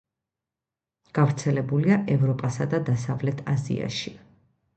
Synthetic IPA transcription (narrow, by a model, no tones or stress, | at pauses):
ɡ̥avɾt̪sʰɛlɛbuliaʔɛvɾɔpʼasad̪ad̪asavlɛt̪ʰazḭa̰ʃi